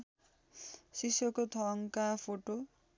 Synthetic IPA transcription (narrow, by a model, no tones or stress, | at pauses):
ʃiʃokot̪ʰɔŋkafoʈo